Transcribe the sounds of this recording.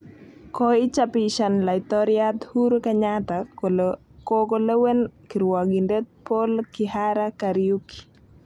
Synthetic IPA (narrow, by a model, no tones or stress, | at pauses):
kɔɪt͡ʃapiʃanlaɪt̪ɔɾjat̪huɾkɛɲat̪a | kokolewenkiɾwɔɡindet̪̚polkɪhaɾakaɾijuki̥